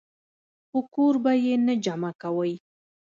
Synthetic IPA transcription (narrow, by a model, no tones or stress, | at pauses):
xokoɾbajenad͡ʒamakawəj